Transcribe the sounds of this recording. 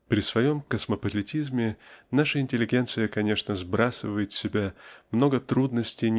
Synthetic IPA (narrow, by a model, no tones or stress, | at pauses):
pɾʲɪsvɐjo̞mkəsməpəlʲɪtʲizmʲɪnaʂəɪnʲtʲɪlʲɪɡʲe̞nt̪sɨjəkɐnʲe̞ʂnəzbɾʔasɨvəjɪt̪sʲɪbʲamno̞ɡət̪ɾud̪nəsʲtʲɪnʲ